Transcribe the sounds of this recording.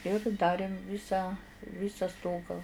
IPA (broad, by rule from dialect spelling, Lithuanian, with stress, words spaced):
ɪr ˈdɑːrʲeːm ˈʋʲɪsɑː ˈʋʲiːsɐ ˈstoːɡɑː